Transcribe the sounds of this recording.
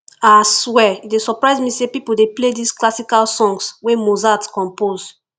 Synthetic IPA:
aswɛitdesɔpɹaɪzmĩsepipuldepledisklasikalsɔ̃ŋɡswemozatkɔ̃mpoz

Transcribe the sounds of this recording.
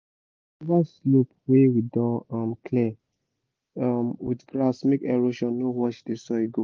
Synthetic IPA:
vaslop̚wewidɔ̃amkʰli | amwḭtɡɾasmekɛɹoʃɔ̃nːowɔt͡ʃdesɔiɡo

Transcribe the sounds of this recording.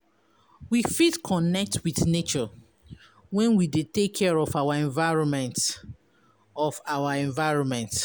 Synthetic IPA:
wifidkʰɔnɛk̚twiθnet͡ʃɔ | wɛ̃nwidetekʰːɛɹɔfawaɛ̃ɱvaɹɔ̃nmɛ̃nt | ɔfawaɛ̃ɱvaɪɹɔ̃nmɛ̃nt

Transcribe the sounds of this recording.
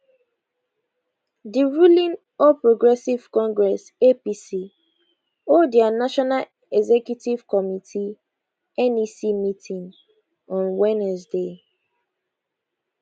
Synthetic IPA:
diɹulĩn | ɔpɹoɡɹɛsiv̥kɔ̃ŋɡɹɛs | episi | odianaʃɔnal | ɛzɛkjutiv̥kɔmitʰi | ɛnisimitʰĩn | ɔ̃nwɛnɛsde

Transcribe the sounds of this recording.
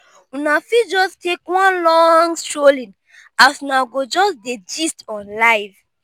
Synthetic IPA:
unafid͡ʒɔstekwɔ̃nlɔ̃ŋɡstɹolĩn | asunaɡod͡ʒɔsded͡ʒistɔ̃nlaɪv̥

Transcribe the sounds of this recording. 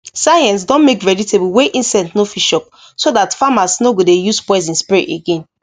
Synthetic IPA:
sajɛ̃ns̬dɔ̃nmekɹɛditebuweʔĩnsɛ̃ntnofiʃɔp̚ | sodatfamasnoɡodejuspɔɪs̬ĩnspiɹḭteɡẽn

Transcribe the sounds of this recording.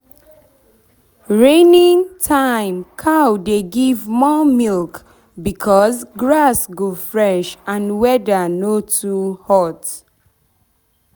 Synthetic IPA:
ɹẽnĩŋtʰãɪ̃mkʰawdeɡivmɔmilk | bikʰɔzɡɹasɡofɹɛʃãnwɛdənotʰuhɔt

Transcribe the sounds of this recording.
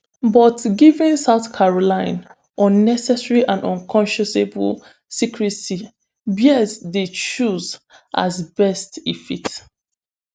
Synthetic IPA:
bɔtɡivĩnsaʊθkʰaɹolãɪ̃n | ɔ̃nːɛsɛsɹiʔãndɔ̃nkʰɔ̃nʃɔsebə̰l | sikʰɹisi | bjɛsdet͡ʃuz | ʔa̰zbɛstifit

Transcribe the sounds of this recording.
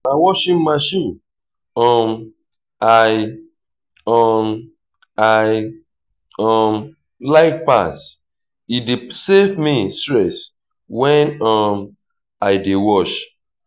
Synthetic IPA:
awɔʃĩnmaʃĩn | ɔm | aɪ | ɔm | aj | ɔm | laɪk̚pa̰s | idesevmistɹɛs | wɛ̃nɔm | aɪdewɔʃ

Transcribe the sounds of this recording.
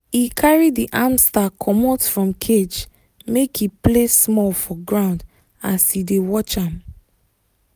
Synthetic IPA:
ikʰaɹidiʔãmstakʰɔmɔtfɹɔ̃mkʰed͡ʒ | mekiplesmɔlfɔɡɹãʊ̃nd | asidewɔt͡ʃãm

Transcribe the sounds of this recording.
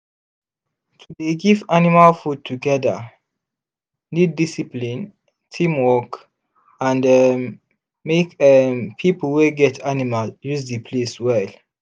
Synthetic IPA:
tʰudeɡivanimalfud̚tʰuɡɛda̰ | nid̚ːisiplĩn | tʰĩmwɔk | ãndɛ | mekɛmpʰipəlweɡɛtʰanimaljuzdipʰleswɛl

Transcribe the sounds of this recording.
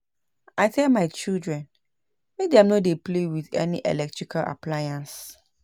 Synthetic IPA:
aɪtʰɛlmaɪt͡ʃildɹɛ̃n | mek̚dɛ̃mnodeplewiθɛ̰niʔɛ̰lɛk̚tʰɹikʰalʔa̰pʰlajãns

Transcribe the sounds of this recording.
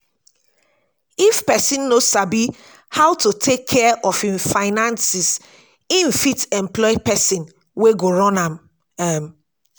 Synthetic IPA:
ifpɛsĩnːosabi | hawtutʰekʰːɛʔɔfĩnfaɪnãnsis | ĩnfitɛ̃mplɔɪpɛsĩn | weɡoɹɔ̃nãm | ɛm

